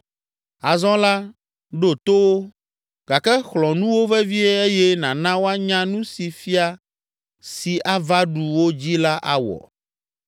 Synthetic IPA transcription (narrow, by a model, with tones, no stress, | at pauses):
a˨zɔ̃˦la˦ | ɖo˨t̪o˦wo˦ | ɡ̥a˨kɛ˦xlɔ̃˨nũ˦wo˦vɛ˦vi˦e˦e˦jɛ˦nã˨nã˦wo˦a˦ɲã˦nũ˦si˨fi˦a˦ | si˨ʔa˦va˦ɖu˨wo˦d͡ʑi˦la˦ʔa̰˦wɔ̰˨